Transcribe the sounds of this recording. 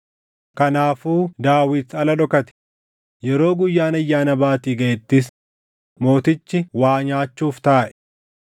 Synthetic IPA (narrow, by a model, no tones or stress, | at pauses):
kɐnaːfuːd̪aːwɪd̪sɐlɐᶑɔkɐt̪ɪ̥ | jɛɾo̞ːɡʊjːaːnɐjːaːnɐbaːt̪iːɡɐʔɛt̪ːɪs̬ | mo̞ːt̪ɪt͡ʃːɪwaːɲaːt͡ʃːuːft̪aːʔɛ̥